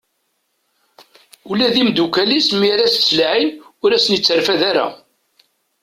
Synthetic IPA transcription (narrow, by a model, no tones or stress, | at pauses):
ulæðimd̪ukælismiɾæsslʕinʊɾæsənjət͡sːəɾfæðaɾæ̰